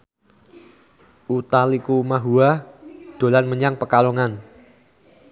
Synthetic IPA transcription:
ʔut̪alikumaɦuad̪̥o̤lanməɲaŋpəkaloŋan

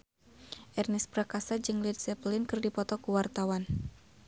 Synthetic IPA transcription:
ʔɛrnɛspɾakasad͡ʒɨŋlit̪̚sɛpəlɪnkɨrdipɔt̪ɔkuwart̪awan

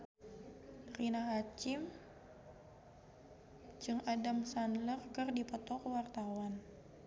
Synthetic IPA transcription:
rinaɦat͡ʃɪm | d͡ʒɨŋadamsanlərkɨrdipɔt̪ɔkwart̪awan

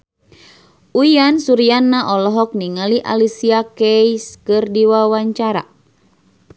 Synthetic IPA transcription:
ʔujansuɾianːaʔɔlɔɦɔk̚niŋaliʔa̰lisiakɛjskɨrdiwawaɲt͡ʃaɾa̰

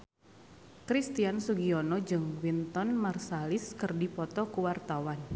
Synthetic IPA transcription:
kɾist̪iansuɡiɔnɔd͡ʒɨŋwint̪ɔnmarsaliskɨrdipɔt̪ɔkuwart̪awan

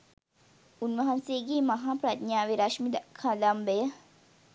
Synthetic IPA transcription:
unʋəɦanseɡeːmɐɦaːpɾɐd̪ɲaːʋeɾaʃmid̪akʰalambejə

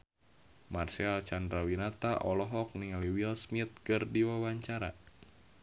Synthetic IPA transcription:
marsɛlt͡ʃandɾawinat̪aʔɔlɔɦɔk̚niŋaliwilsmit̪̚kɨrdiwawaɲt͡ʃaɾa

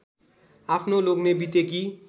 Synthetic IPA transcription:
apʰnoloɡnebit̪eki

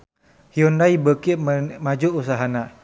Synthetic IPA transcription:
hiondajbəkiʔmmad͡ʒuusaɦana

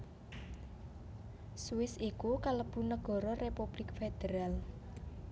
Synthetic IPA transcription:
suwɪsikukaləb̥ṳnəɡ̥ɔ̤ɾɔrepub̥lɪk̚fed̪̥eɾal

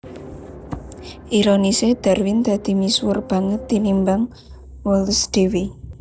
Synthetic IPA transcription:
ʔiɾɔnised̪̥a̤rwɪnd̪̥ä̤d̪̥i̤miswʊrb̥a̤ŋət̪ːinimbaŋ | wɔlsd̥e̤we

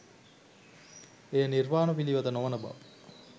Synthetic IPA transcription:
ejənirʋaːnupiliʋɐt̪ənoʋɐnəbɐ̰ʋ

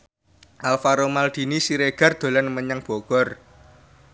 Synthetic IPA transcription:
ʔalfaɾomald̪̥i̤nisiɾeɡ̥a̤rd̪̥o̤lanməɲəŋb̥ɔ̤ɡ̥ɔ̤r

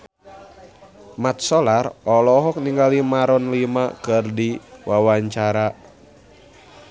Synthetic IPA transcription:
mat̪̚sɔlarɔlɔɦɔk̚niŋɡalimaɾɔnlimakɨrdiwʔawaɲt͡ʃaɾa

